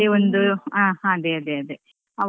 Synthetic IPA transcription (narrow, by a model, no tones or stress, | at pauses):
eond̪ɨaːhãɐd̪eɐd̪eɐd̪e | ɐʋ